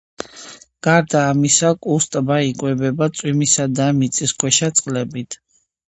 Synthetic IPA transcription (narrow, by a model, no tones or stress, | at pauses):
ɡ̥aɾd̪aːmisakʼust̪ʼbaikʼwɛbɛbat̪sʼwimisad̪amit̪sʼiskʰwɛʃat̪sʼqʼlɛbit̪ʰ